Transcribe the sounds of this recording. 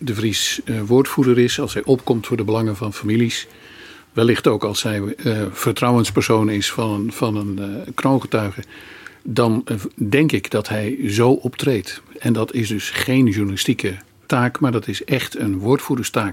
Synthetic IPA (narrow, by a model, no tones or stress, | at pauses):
dəvrisʋʊːɹtfudəɾɪsɑlˠsɦɛjʔɔpkɔmtfʊːɹdəbəlɑŋənvɑnfamilis | ʋɛlːɪχtowkɑlˠsɦɛjv̥əɹtrɑwənspəɹsownɪsfɑvɑnənkrownχətœɥχədɑndɛŋkɪɡdɑtɦɛjzowʔɔptrejtɛndɑtɪsdɵsχejnʒuɹnalɪstikə | taːkmaːɹdɑtɪsɛχtənʋʊːɹtfudəɹstaːk